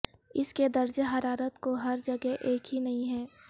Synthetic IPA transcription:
ɪsked̪ɐɾd͡ʒɦɐɾaːɾət̪koɦɐɾd͡ʒɐɡɛɦʔeːkɦinɐɦĩɦɛː

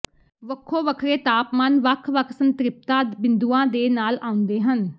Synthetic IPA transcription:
ʋəkʰːoːʋəkʰɾeːt̪aːpmaːnʋəkʰʋəkʰsənt̪ɾɪp̚t̪ãːd̪bɪnd̪uːãːd̪eːnaːlaːʊ̃nd̪eːɦən

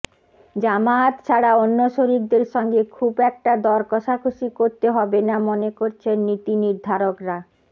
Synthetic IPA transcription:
d͡ʑamat̪ʃʰaɽaonːoʃoɾik̚d̪eɾʃɔŋɡekʰubɛk̚ʈad̪ɔɾkɔʃakʰuʃikoɾt̪eɦɔbenamonekoɾt͡ɕʰenːit̪iniɾd̪ʱaɾokɾa

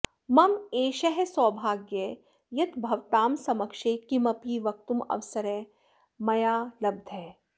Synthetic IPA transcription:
mɐmeːʃɐɦesɔːbʱaːɡje | jɐt̪bʱɐʋt̪aːmsɐmɐkʃeːkimɐpiːʋɐk̚t̪umɐ̰ʋsɐɾe | mɐjaːlɐb̚d̪ʱɛː

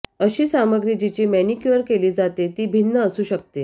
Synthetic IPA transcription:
əɕiːsaməɡɾid͡ʑit͡ɕimɛnikjuəɾkeliːd͡zat̪et̪iːbʱinːəəsuːɕək̚t̪e

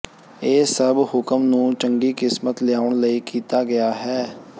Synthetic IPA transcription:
eːsəbhʊkəmnũːt͡ʃəŋɡiːkɪsmət̪lɪjaːʊɳləiːkiːt̪aːɡɪaːɦɛː

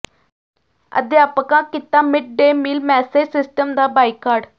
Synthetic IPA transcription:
ə̰d̪jaːpkãːkɪt̪ːãːmɪʈ̚ɖeːmiːlmɛːseːd͡ʒsɪsʈəmd̪aːbaːikːaːɾɖ

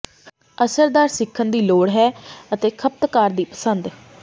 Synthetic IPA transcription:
əsəɾd̪aːɾsɪkʰːənd̪iːloːɽɦɛːət̪eːkʰəp̚t̪kaːɾd̪iːpəsənd̪

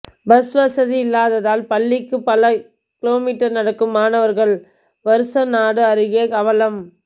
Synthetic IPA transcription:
bɐsʋɐsɐðiɪlːaːðɐðaːlpɐɭːɪkːɯpɐlɐ | kɪloːmiːʈːɐɾnɐɽɐkːɯmaːnɐʋɐɾɣɐɭ | ʋɐɾɯsɐnaːɽɯɐɾɯɣɪjɐkɐʋɐlɐm

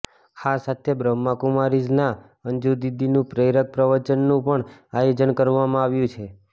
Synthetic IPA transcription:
hasat̪ʰebɾəmːakumaɾid͡ʒna | əɲd͡ʒud̪id̪inũpɾəjɾək̚pɾəʋəɾt͡ʃənːũpəɳajod͡ʒənkəɾʋamãaʋjũt͡ʃʰe

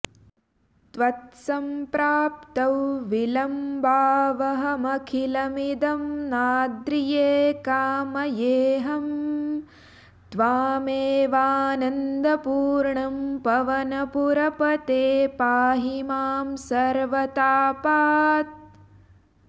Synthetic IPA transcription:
t̪ʋɐt̪sɐmpɾaːp̚t̪ɐwʋilɐmbaːʋɐɦɐmɐkʰilɐmid̪ɐmnaːd̪ɾijeːkaːmɐjeːɦɐm | d̪ʋaːmeːʋaːnɐnd̪ɐpuːɾɳɐmpɐʋɐnɐpuɾɐpɐt̪eːpaːɦimaːmsɐɾʋɐt̪aːpaːt̪̚

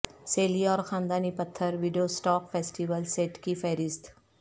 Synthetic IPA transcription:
seːliɔːɾxãːnd̪aːnipɐt̪ʰːəɾʋɪɖijosʈɔːkfeːsʈiʋəlseːʈkifɛːɾɪst̪

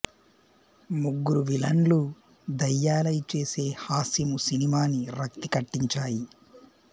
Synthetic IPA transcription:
muɡːuɾuʋilɐnlu | d̪ɐjːaːlɐjit͡ʃe̞ːse̞ːhaːsimusinimaːniɾɐk̚t̪ikɐʈːiɲt͡ʃaːji

